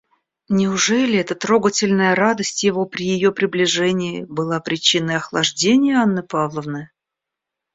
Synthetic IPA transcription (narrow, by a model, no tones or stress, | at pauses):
nʲɪʊʐɛlʲɪɛt̪ət̪ɾo̞ɡətʲɪlʲnəjəɾad̪əsʲtʲjɪvo̞pɾʲɪjɪjo̞pɾʲɪblʲɪʐɛnʲɪɪbɨlˠapɾʲɪt͡ɕinəjɐxlˠɐʐdʲenʲɪjəanːɨpavlˠəvnɨ